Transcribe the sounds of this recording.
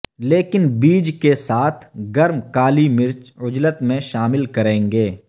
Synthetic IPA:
leːkɪnbiːd͡ʒkesaːt̪ʰɡɐɾmkaːlimɪɾt͡ʃʊd͡ʒlət̪mẽʃaːmɪlkɐɾẽːŋɡeː

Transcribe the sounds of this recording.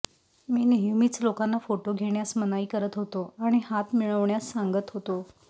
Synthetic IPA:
miːneɦumiːt͡slokanːafoʈoɡʱeɳjasmənaiːkəɾət̪ɦot̪oaɽ̃ihat̪miɭəʋɳjasːaŋɡət̪ɦot̪o

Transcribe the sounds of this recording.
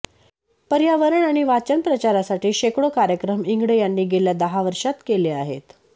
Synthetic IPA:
pəɾjaʋəɾəɳaɽ̃iʋat͡ɕənpɾət͡ɕaɾasaʈiːɕekɽokaɾjəkɾəmiŋɡɽəjanːiːɡeljad̪əɦaʋəɾʂat̪keleaɦet̪

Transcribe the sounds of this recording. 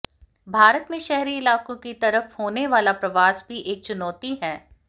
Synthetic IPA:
bʱaːɾət̪mẽʃɛɦɾiɪlaːkõkit̪ɐɾəfhoːneʋaːlapɾɐʋaːsbʱiʔeːk̚t͡ʃʊnɔːt̪iɦɛː

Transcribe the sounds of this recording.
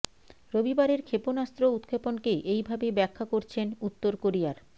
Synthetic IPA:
ɾobibaɾeɾkʰeponast̪ɾout̪kʰeponkeʔejbʱabebɛkʰːakoɾt͡ɕʰenut̪ːoɾkoɾiaɾ

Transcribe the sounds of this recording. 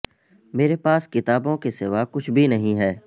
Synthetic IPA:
meːɾepaːskɪt̪aːbõkesɪʋakʊt͡ʃʰbʱinɐɦĩɦɛː

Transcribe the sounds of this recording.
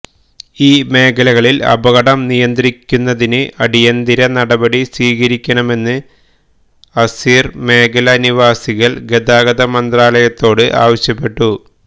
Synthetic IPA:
iːme̞ːkɐlɐɣɐɭilɐ̰bɐɣɐɽɐmnijɐnd̪ɾikʲːunːɐðinɨʔɐɽijɐnd̪iɾɐnɐɽɐbɐɽisiːɣɐɾikʲːɐɳɐme̞nːɨ | ɐsiːrme̞ːkʰɐlɐniʋaːsiɣɐɭɡe̞d̪aːɡɐðɐmɐnd̪raːlɐjɐt̪ːo̞ːɽɨʔa̰ːʋɐɕjɐpːe̞ʈːu

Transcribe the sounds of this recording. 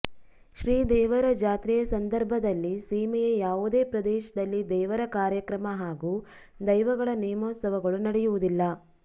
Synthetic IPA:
ʃɾiːd̪ɛːʋɐɾɐd͡ʒaːt̪ɾijɐsɐnd̪ɐɾbʱɐd̪ɐlːisiːmɛjejaːʋud̪e̞ːpɾɐd̪ɛːʃɐd̪ɐlːid̪ɛːʋɐɾɐkaːɾjɐkɾɐmɐɦaːɡuː | d̪ɐjʋɐɡɐɭɐnijɐmoːt̪sɐʋɐɡɐɭunɐɽɛjuʋud̪ilːɐ

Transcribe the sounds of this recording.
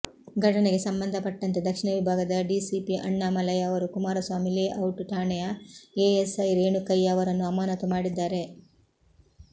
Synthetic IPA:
ɡʱɐʈɐneɡe̞sɐmbɐnd̪ʱɐpɐʈːɐnt̪ed̪ɐkʂiɳɐʋibʱaːɡɐd̪ɐɖiːsipiʔɐɳːaːmɐlɐjɐːʋɐɾukumaːɾɐsʋaːmileʔɐwʈʈaːɳɛjɐeːesɐjɾeːɳukɐjːaɐʋɐɾɐnːuɐmaːnɐt̪umaːɽid̪ːaːɾe̞

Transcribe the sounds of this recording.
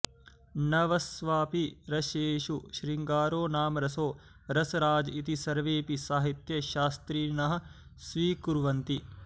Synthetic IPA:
nɐʋɐsʋaːpiɾɐʃeːʃuʃɾiŋɡaːɾoːnaːmɾɐsoː | ɾɐsɐɾaːd͡ʒit̪isɐɾʋeːpisaːɦit̪jɐʃaːst̪ɾiːnɐɦɐ̆ | sʋiːkuɾʋɐnt̪i

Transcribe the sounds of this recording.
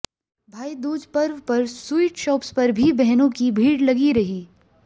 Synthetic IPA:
bʱaːid̪uːd͡ʒpɐɾʋpɐɾsuiːʈʃɔːpspɐɾbʱibɛɦnõkibʱiːɽlɐɡiɾɐɦiː

